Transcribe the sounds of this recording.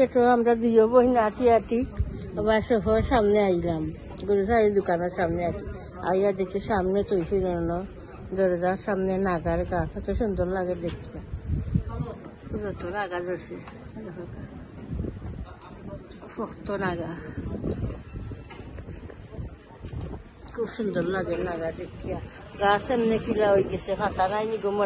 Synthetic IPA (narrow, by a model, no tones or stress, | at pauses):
keʈoamɾad̪ujɔbɔɦinaʈiaʈi | ɔbaʃɔɦɔsamneajlam | ɡuɾusaɾid̪ukanɔɾsamneaʈi | a̰ijad̪ekiʃamnet̪ojsinɔnɔ | d̪ɔɾɔzasamnenaɡaɾɡasɔt̪ɔʃund̪ɔɾlaɡɛd̪ekʰija | zɔt̪onaɡazɔɾsi | fɔkt̪ɔnaɡa | kʰubʃund̪ɔllaɡeɾnaɡaɾd̪ekʰːija | ɡasemnekʰulaojɡesepʰat̪anajniɡomɔ